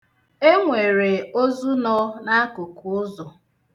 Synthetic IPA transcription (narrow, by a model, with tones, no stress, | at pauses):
e˦ŋʷe˨ɾe˨o˦zu˦nɔ˦na˦kʊ˨ku˨ʊ˦zɔ˨